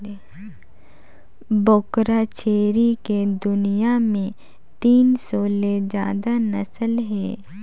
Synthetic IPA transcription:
bokɾat͡ʃeːɾiked̪ʊnijamẽ | t̪iːnsɔːled͡ʒa̰ːd̪anɐsəlɦɛː

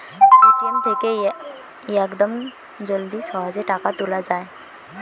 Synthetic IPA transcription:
kent̪ʰeke | jəkd̪əm | d͡ʒold̪isɔɦɔd͡ʒeʈakat̪ulad͡ʒaːe

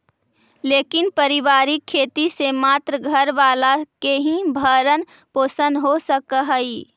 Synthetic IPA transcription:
leːkɪnpəɾɪʋaːɾikʰːeːt̪isemaːt̪ɾəɡʱəɾʋaːlakeɦĩbʱəɾən | poːsənɦosəkəɦəiː

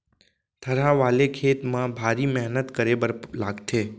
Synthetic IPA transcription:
t̪ʰəɾaʋalekʰet̪mãbʱaɾimɛɦnət̪kəɾebəɾlaɡtʰe

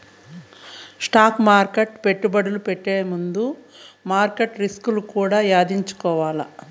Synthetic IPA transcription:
sʈaːkmaːɾkeʈpe̞ʈːubɐɽulupeʈːeːmund̪u | maːɾkeʈɾiskulukuːɽaːjaːd̪iɲt͡ʃu̥kɔːʋaːlɐ

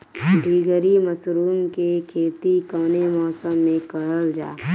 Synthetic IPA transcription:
ɖʱiːɡəɾiməsɾuːmkekʰeːt̪ikəʋnemɔːsəmːẽkəɦəld͡ʒa̰ː

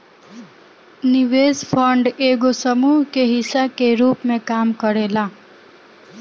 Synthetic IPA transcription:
nɪʋeːspʰəɳɖeːɡosəmuːɦkeɦɪsakeɾuːpmẽkaːmkəɾeːlaː

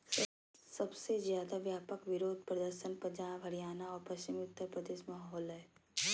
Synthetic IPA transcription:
sɐbsezjaːd̪aʋjaːpəkʋɪɾoːd̪̚ʱpɾɐd̪əɾʃənpɐd͡ʒãːbʱɐɽijaːnaɔːɾpɐʃt͡ʃɪmʊt̪ːəɾpɾəd̪eːʃmaːɦɔːlɦɛː

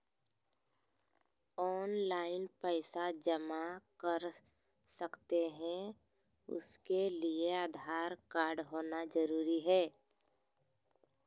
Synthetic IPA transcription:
ɔːnlaːɪnpəɪsad͡ʒəmakəɾ | sɐkt̪eɦɛ̃ | ʊ̰skelieaːd̪ʱaːɾkaːɾɖɦoːnad͡ʒɐɾuːɾiɦɛː

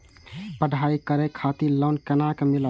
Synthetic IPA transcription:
pəɖʱaikəɾekʰat̪iləʊnkənakemilə

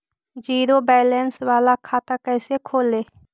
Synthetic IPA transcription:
d͡ʒiːɾobɛːlɛnswaːlakʰaːt̪akɛːsekʰoːleː

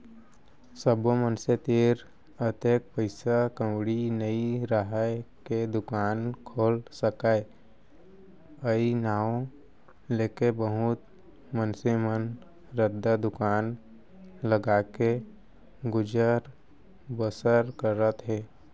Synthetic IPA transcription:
səbomənset̪eːɾ | ət̪eːk̚pəɪsakə̃wɽinəiɾəɦajked̪ʊkaːnkʰoːlsəkae | əinaːõ | leːkebəɦʊt̪ | mənsemən | ɾəd̪ːad̪ʊkaːn | ləɡaːke | ɡʊd͡ʒəɾ | bəsəɾkəɾːət̪ɦɛː

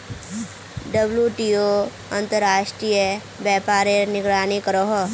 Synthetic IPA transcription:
ɖəbljuʈio | ə̃nt̪əɾaːʃʈɾijə | bjɛːpaːɾenɪɡɾaːnikəɾoɦɔ

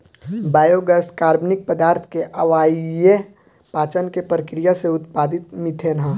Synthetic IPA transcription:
baːjoɡəskaːɾbnɪk̚pəd̪aːɾt̪ʰkeʔɐʋaːie | paːt͡ʃənkepɾəkɾijaseʊt̪paːd̪ɪt̪mɪt̪ʰenɦã

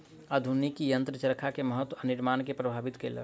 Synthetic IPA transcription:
əd̪ʱunikijənt̪ɾət͡ʃəɾkʰakeməɦət̪wəəniɾmaːnkepɾəbʱaːbit̪kelə̰

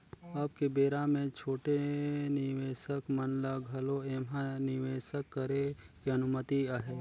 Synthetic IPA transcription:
əb̚kebeːɾamẽt͡ʃʰoːʈenɪʋeːʃəkmənləɡʱɐloeːmɦanɪʋeːʃəkːəɾe | keɐnʊmət̪iaɦeː

